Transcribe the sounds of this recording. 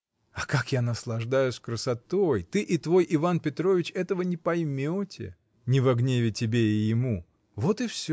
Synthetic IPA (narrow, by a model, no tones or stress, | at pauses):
ɐkakjanəslˠɐʐd̪ajʊsʲkɾəsɐt̪ojt̪ɨʔɪt̪vo̞jɪvanpʲɪt̪ɾovʲɪt͡ɕɛt̪əvənʲɪpɐjmʲotʲɪ̰ | nʲɪvɐɡnʲevʲɪtʲɪbʲeɪjɪmu | vot̪ɨfsʲ